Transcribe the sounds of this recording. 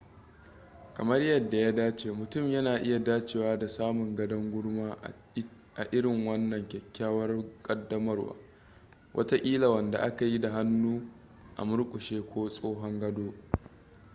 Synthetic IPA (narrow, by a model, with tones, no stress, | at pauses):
kɐ˨mɐ˦rjɐ˨dːa˨jaː˦daː˦t͡ʃeː˨mʊ˨tʊ˦˨mjɐ˦naː˨ʔɪ˦ja˨daː˦t͡ʃeː˨waː˦da˨saː˦mʊ˨ŋɡɐ˦dɐ˦ŋɡʷʊ˦ɽmaː˦ | ʔa˨ʔɪ˦ɽɪ˨ŋwɐ˦nːɐ˨ŋkʲɛ˨kʲːaː˦wɐ˦rkʼɐ˦dːɐ˦mɐ˦rwa̰ː˦ | wʔɐ̰˦ta˦ʔʲʼiː˦la˨wɐ˨nda˨ʔa˦ka˨ji˦da˨ɦa˦nːuː˦ | ʔa̰˨mʊ˦ɽkʷʼʊ˨ʃeː˦kʷʰoː˦sʼoː˦ɦɔ˦ŋɡɐ˦doː˦